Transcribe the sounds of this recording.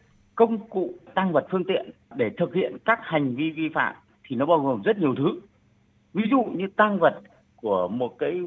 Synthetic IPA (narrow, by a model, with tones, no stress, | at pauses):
kə˧wŋ͡mkṵ˧˨t̪aː˧ŋvə˨˩t̚fɨ˧əŋt̪ḭ˧˨ən | ɗe˧˩t̪ʰɨ˨˩k̚hḭ˧˨ənkaː˦˥k̚ha˨˩jŋ̟vi˧vi˧fa̰ː˧˨m | t̪ʰi˨˩nɔ˨˦ɓaː˧wɣo˨˩mzə˦˥t̚ɲi˨˩əwt̪ʰɨ˨˦ | vi˨˦zṵ˧˨ɲɨ˧t̪aː˧ŋvə˨˩t̚ | ku˧˩əmo˨˩t̚kaː˨˦j